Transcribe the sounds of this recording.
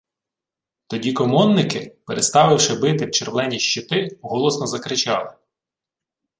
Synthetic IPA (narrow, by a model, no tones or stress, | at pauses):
t̪ɔdʲikɔmɔnːɪkɪpeɾʔest̪ɑʋɪwʃɪbɪt̪ɪwt͡ʃerʋlˠɛnʲiʃt͡ʃɪt̪ɪɦɔlˠɔsnɔzɐkɾɪt͡ʃɑlˠɪ